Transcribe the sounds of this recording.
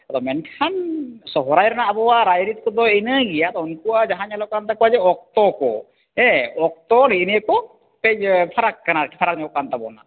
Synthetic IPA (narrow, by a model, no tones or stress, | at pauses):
ad̪ɔmɛnkʰansɔɦɔɾajɾanaabɔwaɾajɾit̪̚kɔd̪ɔinəɡijat̪ɔɔnkuwad͡ʒaɦaɲalɔkant̪akɔwad͡ʒɛɔk̚t̪ɔkɔ̰ | ɛɔk̚t̪ɔɾinijakɔ | pɛpʰaɾakːanakʰi̥pʰaɾak̚ɲɔkant̪abɔna̰